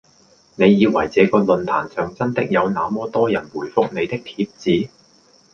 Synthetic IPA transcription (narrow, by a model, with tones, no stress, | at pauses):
ne˨˧jjiː˨˧wɐ˨˩jt͡sɛː˨˥kɔː˧lɵ˨nt̪ʰa̰ː˨˩nsœː˨ŋt͡sɐ˥nt̪ɪ˥k̚jɐ˨˧wnaː˨˧mɔː˥t̪ɔː˥jɐ˨˩nwuː˨˩jfʊ˥k̚ne˨˧jt̪ɪ˥k̚t̪ʰiː˧p̚t͡siː˨˥